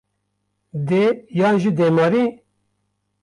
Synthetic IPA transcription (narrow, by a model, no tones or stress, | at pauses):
d̪ejaːnʒid̪emɑɾi